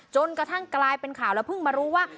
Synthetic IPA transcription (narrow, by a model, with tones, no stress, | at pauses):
t͡ɕo˧nkɾa˧t̪ʰa˥˩ŋklaː˧jpe˧nkʰaː˨˩˦wlɛː˧˩wpʰɯ˥˩ŋmaː˧ɾuː˦˥waː˥˩